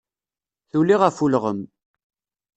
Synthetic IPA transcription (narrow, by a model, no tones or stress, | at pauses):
θulːiʁafulʁə̰m